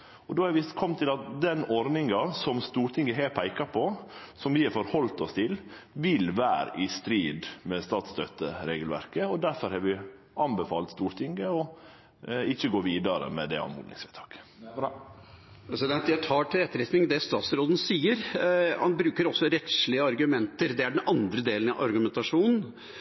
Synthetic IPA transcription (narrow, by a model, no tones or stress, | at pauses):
ɔd̪oːhæɾʋɪkʰɔmːt̪ʰɪlɑt̪̚d̪ɛnɔɾnɪŋɑsɔmst̪uːɾʈ̪ʰɪŋɡəɦeːɾpʰæɪkɑpʰɔsɔmʋɪhɛɾfɔɾhɔlt̪ɔst̪ʰɪl | ʋɪlʋæːɾə̰ʔɪst̪ɾiːd̪mɛst̪ɑːt̪st̪œt̪əɾeːɡəlʋæ̰ɾkəɔd̪æɾfɔɾhɑːɾʋɪ | ɑnbəfɑ̰ːlt̪st̪uːɾt̪ʰɪŋɡəɔ | ɪçːəɡoːʋiːd̪ɑɾə̰mɛd̪ɛ̰ɑ̰nmṵːd̪ɪ̰ŋsfɛt̪ʰɑ̥ːkə̥ | pɾɛsɪd̪ɛnt̪jæɪt̪ʰɑːʈʰɪlɛt̪ːəɾɛt̪nɪŋd̪ɛst̪ɑːt̪sɾoːd̪n̩siːəɾhɑ̰nbɾʉːkəɾɔsːɔɾɛt̪ʂɭɪəɑɾɡʉmɛnt̪əɾd̪ɛæɖɛnʔɑnd̪ɾəd̪eːlənɑʔɑɾɡʉmɛnt̪ɑʂuːnn̩